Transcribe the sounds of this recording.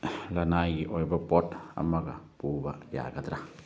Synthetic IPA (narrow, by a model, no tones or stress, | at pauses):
lanajɡiʔojbapɔta̰maɡapubaja̰ɡat̪ɾa